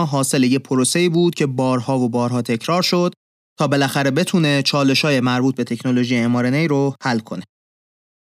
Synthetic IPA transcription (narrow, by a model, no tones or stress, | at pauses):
ɦɒːse̞lejepʰoɾose̞iːbuːd̪̥cʰe̞bɒːɾhɒːvobɒːɾɦɒːt̪ʰe̞cʰɾɒːɾʃo̞d̪̥ | t̪ʰɒːbe̞læxæɾe̞be̞t̪ʰuːnet͡ʃʰɒːle̞ʃɒːjemæɾbuːt̪̚be̞t̪ʰe̞cʰno̞lo̞ʒiːjeemɒːɾenejɾohælːkʰo̞ne